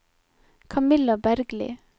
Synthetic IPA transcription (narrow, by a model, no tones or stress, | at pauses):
kʰɑmɪlabæɾɡlḭː